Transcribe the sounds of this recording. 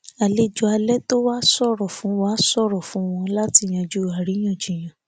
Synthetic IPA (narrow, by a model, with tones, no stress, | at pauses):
a˨le˦˨d͡ʒu˧˦a˧lɛ˦to˦wa˦sɔ˦ɾɔ˨fũ˨˦wa˦sɔ˦˨ɾɔ˨fũ˨˦w̃ɔ̃˧la˦ti˧˨j̃ã˧d͡ʒu˦a˨ɾi˨˦j̃ã˦˨d͡ʒi˨j̃ã˨